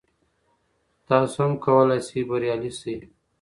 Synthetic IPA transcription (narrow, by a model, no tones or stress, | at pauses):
t̪aːsomkʰɐwɐlasibɐɾjaːlisi